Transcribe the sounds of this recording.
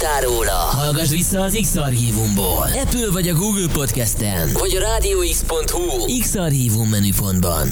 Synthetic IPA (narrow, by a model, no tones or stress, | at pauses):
t̪aːɾoːlɒ̰hɒlɡɒʒʋisːɒːziksɒrɦiːvumbo̰ːlɛpylvɒɟɒɡuːɡlpo̞t̪kɛst̪ɛ̰nvɒɟɒɾaːd̪ioːikspo̞nt̪hu | iksɒrɦiːvumːɛnypo̞nd̪bɒ̰n